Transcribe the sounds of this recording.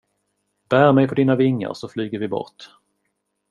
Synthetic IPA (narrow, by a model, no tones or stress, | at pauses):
b̥æːɾmɛjpʰɔd̪iːnavɪŋːə̰ɾsɔflyːɡəɾvɪbɔ̰ɾʈ